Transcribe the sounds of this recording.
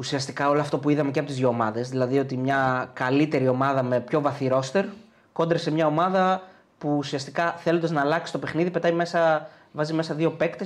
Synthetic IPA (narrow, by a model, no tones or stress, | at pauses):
usiɐst̪ikɐo̞loɐft̪o̞puiðɐme̞ceɐpot̪izʝoːmɐðe̞zðilɐðio̞t̪imɲɐkɐlit̪e̞ɾio̞mɐðɐme̞pço̞vɐθiɾo̞st̪e̞ɾ | ko̞nd̪ɾesemɲɐo̞mɐðɐ | puːsiɐst̪ikɐθelond̪ɐznɐːlɐksi̥st̪o̞pexniðipe̞t̪ɐjme̞sɐ | vɐzime̞sɐðio̞pe̞kt̪es